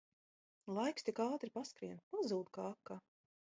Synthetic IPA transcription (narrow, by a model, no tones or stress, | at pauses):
lˠajkst̪ikaːt̪ɾipaskɾiɛnpazuːd̪̚kaakːa